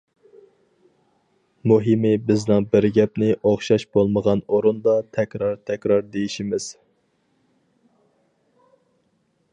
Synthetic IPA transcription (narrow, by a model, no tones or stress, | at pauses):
muɦɪmɪbɪznɪŋbɪɾɡʲɛp̚nɪʔoχʃɑʃbolˠməʁɑnoɾund̪ɑt̪ʰɛkʲɾɑɾt̪ʰɛkʲɾɑɾd̪ejiʃimɪz̥